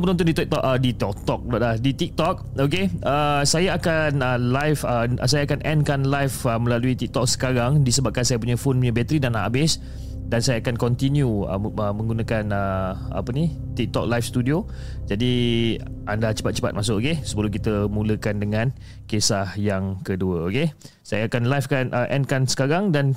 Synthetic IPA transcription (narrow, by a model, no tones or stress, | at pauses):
pənunt̪ʊndit̪ik̚t̪ɔʔədit̪ɔk̚t̪ɔk̚lɔʔlahdit̪ik̚t̪ɔk̚ok̬eəsajaakanəlajfə̰sajaakanʔɛnkanlajfəməlaluit̪ik̚t̪ɔk̚sə̥kaɾaŋdisəbap̚kansajap̬uɲafonuɲãbɛt̪ɾidanaabɪs | dansajaakankɔnt̪injuə̰əmə̃ŋɡunakanəa̰pəni | t̪ik̚t̪ɔk̚lajfst̪udio | d͡ʒadi | ʔandat͡ʃə̥pat̪̚t͡ʃə̥pa̰t̪̚masʊkokesəbəlʊk̬it̪əmũləkandəŋãn | kesahjaŋkəduəoke | sajaakanlajfkanʔəʔɛnkansə̥kaɾaŋdan